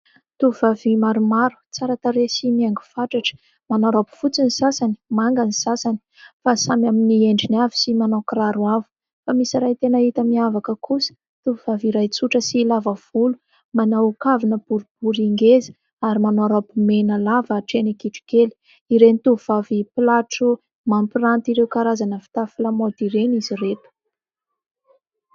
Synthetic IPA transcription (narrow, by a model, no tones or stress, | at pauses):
t̪uuvavimaɾumaɾu̥t͡saɾat̪aɾesimiaŋɡufaʈ͡ʂaʈ͡ʂə̥ | manaɾapi̥fut͡sinisasani̥maŋɡanisasani̥ | fasamaminieɳɖ͡ʐinavi̥simanakraɾwavu̥ | famisiɾajt̪enəit̪amiavakəkusə̥ | t̪uvuv̥aviɾajt͡suʈ͡ʂəsilavəv̥ulu | manawukavinəb̥uɾub̥uɾiŋɡezi̥ | aɾimanoaɾabumenəlavəʈ͡ʂenikiʈ͡ʂi̥keli̥ | iɾenit̪uuv̥avipilaʈ͡ʂu | mampirant̪iɾewkaɾazanəfi̥t̪afilamod̪iɾeniziret̪u̥